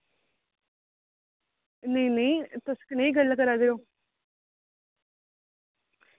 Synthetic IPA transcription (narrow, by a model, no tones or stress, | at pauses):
neĩneĩt̪ʊskəneiɡəlːkəɾaːd̪eɾoː